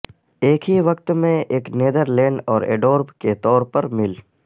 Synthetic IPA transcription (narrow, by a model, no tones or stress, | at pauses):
eːkʰɦiʋɐkt̪mẽeːkneːd̪əɾlẽːɳɖɔːɾḛːɖoːɾbket̪ɔːɾpɐɾmɪl